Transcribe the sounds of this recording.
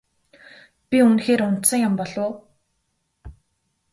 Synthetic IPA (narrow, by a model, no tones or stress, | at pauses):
pʲiunxeːɾʊn̥t̪sə̆ŋjampɔɮʊː